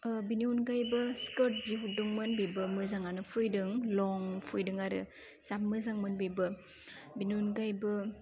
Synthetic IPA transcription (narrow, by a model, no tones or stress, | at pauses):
biniunɡajbɐskɯɾt̚biɦudɯŋmɯnbibɯmɯzaŋanɯpʰɯjdɯŋlɔŋpʰɯjdɯŋaɾɯ̰ | z̥ap̚mɯzaŋmɯnbibɯ | biniunɡajbɯ